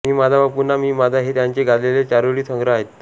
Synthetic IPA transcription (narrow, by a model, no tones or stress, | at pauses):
miːmad͡zʱabapunamiːmad͡zʱaɦet̪jaɲt͡ɕeɡad̪lelet͡ɕaɾoɭiːsʰəŋɡɾəaɦet̪